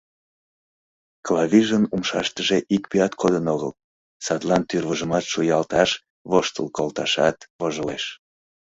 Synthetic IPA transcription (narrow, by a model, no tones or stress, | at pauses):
klɑβiʒənumʃɑ̰ʃt̪əʒeʔikpiɑt̪kʰod̪ənoɣəl | sɑt̪lɑnt̪yrβəʒəmɑt̪ʃujɑlt̪ɑʃ | βoʃt̪əlkolt̪ɑʃɑ̰t̪βoʒoleʃ